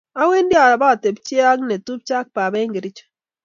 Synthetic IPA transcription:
a˦we˦ndi˦a˨ba˦˨te˨b̚t͡ʃi˦a˦kne˨tu˦p̚t͡ʃa˦k̚pa˨bɛ˦ŋɡe˨ɾi˦t͡ʃ

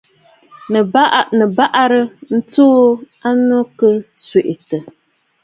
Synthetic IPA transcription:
nɨ˨˦˨nɨ˨ba˦ʔa˦ɾɨ˦n̩˦toː˦ | a˦nɔ˦kɨ˦swe˨ʔɪ˨tɨ˨

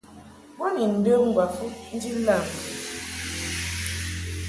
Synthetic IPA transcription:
bɔ˦ni˨n̩˨də˦ŋ̩˦˨ɡwa˨fu˦tn̩˦di˦lla˦˨m˨

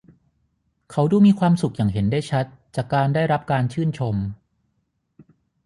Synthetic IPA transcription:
kʰa˦˥wduː˧miː˧kʰwaː˧msu˨˩k̚jaː˨˩ŋɦe˩˦nda˥˩jt͡ɕʰa˦˥t̪̚t͡ɕaː˨˩kkaː˧ndaː˥˩jɾa˦˥p̚kaː˧nt͡ɕʰɯː˥˩nt͡ɕʰo˧m

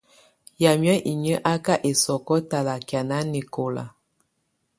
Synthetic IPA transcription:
ja˨mjɔ˦ʔi˨ɲə˦ʔa˦ka˦ʔe˨sɔ˨kɔ˦ta˨la˨kja˨na˦ni˨ko˨la̰˨

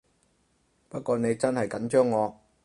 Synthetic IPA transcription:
pɐ˥t̚kʷɔː˨˧ne˨˧jt͡sɐ˥nhɐ˨jkɐ˨˥nt͡ʃœː˥ŋːɔː˨˧

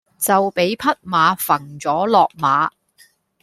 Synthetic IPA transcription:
t͡sɐ˨wpe˨˥jpʰɐ˥t̚maː˨˧fɐ˨˩ŋt͡sɔː˨˥lɔː˨k̚maː˨˥

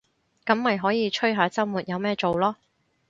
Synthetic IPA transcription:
kɐ˨˥mːɐ˨jɦɔː˨˥jiː˨˧t͡ʃʰɵ˥ɥɦaː˨˥t͡sɐ˥mmuː˨t̚jɐ˨˧wmɛː˥t͡so˨wlɔː˥

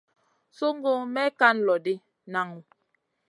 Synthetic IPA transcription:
so˦ŋ˦ɡo˦mɛ˦ka˦n˨lɔ˨di˦ | na˨ŋu˨

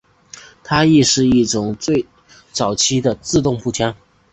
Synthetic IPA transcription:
t̪ʰa˥i˥˧ʂɻ̩˥˧i˥˩ʈ͡ʂʊ˨˩ŋt͡swe˥˩ɪ | t͡sɑ˨˩ʊt͡ɕʰi˥d̪ə˨t͡sɹ̩˥˧t̪ʊ˥˧ŋpu˥˩t͡ɕʰjɑ˥ŋ

